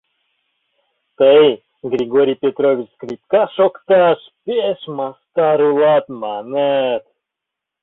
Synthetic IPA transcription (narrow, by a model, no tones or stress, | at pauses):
t̪əj | ɡɾʲiɡoɾʲijpʲet̪ɾovʲit͡ʃskɾʲipkɑʃokt̪ɑʃpʲeʃmɑst̪ɑɾulˠɑt̪mɑnɛt̪